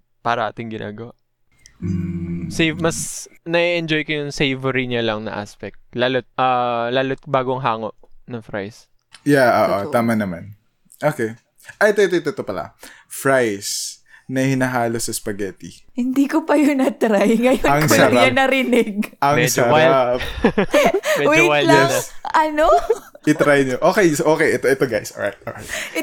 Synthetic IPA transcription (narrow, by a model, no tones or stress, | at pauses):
paːɾɐʔaːt̪ɪŋɡɪna̰ːɡɐwa | sejvmɐsnɐiʔɛnd͡ʒojkojʊŋsejvɛɾiɲalɐŋnɐ̰ʔa̰spɛk̚t̪̚laːlot̪̚ʔɐlaːlot̪̚baːɡoŋɦaːŋo̞ʔnɐŋfɹa̰js | jaʔoːʔoaːmɐnɐman | ʔoːkɛ | ʔɐjt̪ot̪ot̪ot̪opɐla̰ | fɹajs | nɐhɪnɐɦaːlosɐspɐɡɛt̪ihɪnd̪iːkopɐjonɐt̪ɾajŋɐjonɐŋsoɐɐɾajɐnɐɾɪnɪɡ̚ʔɐmɛsd͡ʒɐɾajap | mɛwowajllanɐɐno | ɪt̪ɾajɲoʔoːkɛjsʔoːkɛjɛt̪oʔɛt̪oɡajsʔo̰ɹa̰jt̪̚ʔo̰ɹajt̪